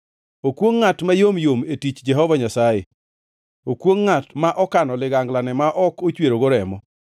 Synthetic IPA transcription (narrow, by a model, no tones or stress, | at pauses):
okwoŋːatmajomjometit͡ʃd͡ʒɛɦɔvaɲasajḛ | okwoŋːatmaʔɔkanɔlɪɡaŋɡlanɛmaʔɔkot͡ʃweɾoɡoɾɛmɔ